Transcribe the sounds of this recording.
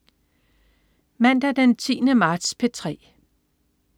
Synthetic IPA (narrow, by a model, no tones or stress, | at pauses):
mæn̰d̥æd̥ent͡sʰḭːnəmɑ̈ːd̥spʰe̝t͡sʰʁɛ̰ː